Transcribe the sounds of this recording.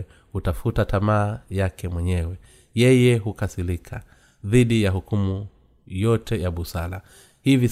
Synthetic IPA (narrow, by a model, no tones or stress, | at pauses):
hutafutatʰamaːjakɛmwɛɲɛwɛ | jɛjɛɦukasilikʰa | ðiɗijaɦukumu | jɔtɛjaɓusala | hivi